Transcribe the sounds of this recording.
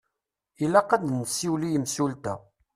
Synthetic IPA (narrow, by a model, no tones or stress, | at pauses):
ilæqɑd̪nəsiwlijəmsult̪æ